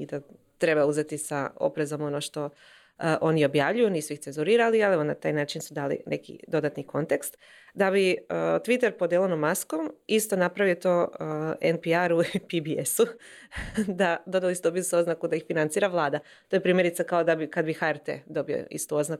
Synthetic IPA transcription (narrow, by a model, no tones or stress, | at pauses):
id̪a | t̪ɾe̞bauze̞t̪isa̰o̞̰pɾe̞zo̞mo̞noʃt̪o̞ | ʔo̞nio̞bjaʋʎujuniːsuixsenzuɾiːɾalialˠeʋonat̪aːjnaːt͡ʃinsud̪aːlḭnʔe̞̰kḭd̪o̞d̪at̪niko̞nt̪e̞kst̪ | d̪abiət̪ʋit̪eɾpod̪jelˠonomːasko̞mist̪o̞napɾaʋijot̪oːenpiaɾupibiesu | d̪ad̪o̞d̪alisud̪o̞biusuo̞znakud̪aixfinant̪siːɾaʋlˠaːd̪a | t̪ojepɾiːmje̞ɾit̪sakaod̪abikad̪bixaeɾt̪ḛd̪o̞bio̰ḭst̪uo̞znak